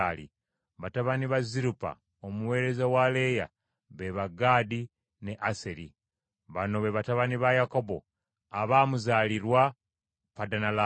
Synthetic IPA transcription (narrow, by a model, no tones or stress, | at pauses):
alḭ | βataβaniβaziɾupa̰ | omuwe̞ːɾe̞zawale̞ja̰ | βe̞βaɡaːdi | ne̞ʔaseɾi | βano̞βe̞βataβaniβajako̞bo̞̰ | aβaːmuzaːliɾwa | padanala